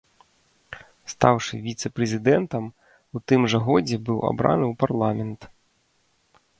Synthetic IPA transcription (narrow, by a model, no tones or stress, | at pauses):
st̪awʂɨvʲit̪sɛpɾɛzʲid̪ɛnt̪ɐm | ut̪ɨmʐɐɣɔd͡zʲɛbɨwa̰bɾa̰nɨwparlˠamʲɛnt̪